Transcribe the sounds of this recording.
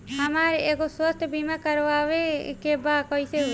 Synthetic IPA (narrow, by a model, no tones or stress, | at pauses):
amaɾeekoswəst̪ʰəbimakəɾʋaʋekebakɔjse